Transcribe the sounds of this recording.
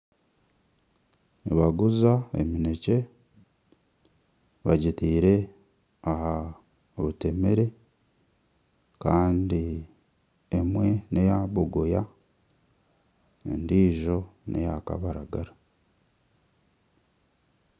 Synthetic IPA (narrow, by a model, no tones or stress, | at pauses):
niβaɡuzaḛmine̞ce̞ | βaɟitiːɾe̞ | aha | oβute̞me̞ɾe̞ | kaːndi | emwe̞ne̞jaβoɡo̞ja | ḛndiːʒo̞nʔe̞̰jaka̰βaɾaɡaɾa